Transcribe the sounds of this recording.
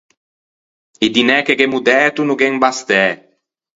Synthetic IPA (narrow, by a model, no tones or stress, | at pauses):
id̪inɛkeɡemud̪ɛt̪unuɡɛŋbast̪ɛ